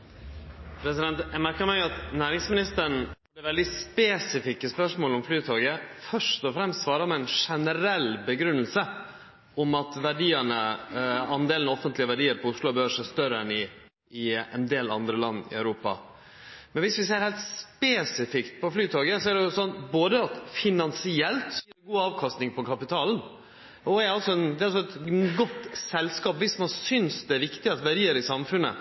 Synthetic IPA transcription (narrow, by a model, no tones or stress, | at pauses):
pʰɾɛsɪd̪ɛnt̪jɛmæɾkəɾmæɪɑt̪næːɾɪŋsmɪnɪst̪əɳ̩ | dəʋɛld̪ɪspeːsɪfɪkːəspœʂmoːlɔmflyːt̪ʰoːɡəfœʂt̪ɔfɾɛmst̪sʋɑːɾəpɔɛɪnʂɛnəɾɛlbəɡɾʉnːəlsə | ɔmɑt̪ʋæɖiːəɳə | ɑnd̪eːlnɔfənt̪lɪəʋæɖiːəɾpʰɔʊslʊbəhøːʂɛst̪œɾəɛnɪ | ɪɛ̰nd̪eːlɑ̰nd̪ɾəlɑnːɪ̰œ̰ʉɾuːpɑ̰ | mɛnʋɪsʋɪseːɾhæɪlt̪speːsɪfɪkt̪̚pʰɔflyːt̪ʰɑːɡəsɔɛæɖɛsɔnːboːd̪əɑt̪fɪnɑnsɪɛlt̪sɔjiːɾɪɡuːɑːʋkʰɑst̪nɪŋpʰɔkʰɑpɪt̪ʰɑːln̩ | ɔɛɾɑlsɔɛnd̪ɛːɑlsɔɛt̪ɡɔt̪ːsɛlskɑːpʋɪsmɑnsʏnsd̪ɛæɾʋɪkt̪ɪɑt̪ʋæɖiːəɾɪsɑmfʉnːə̰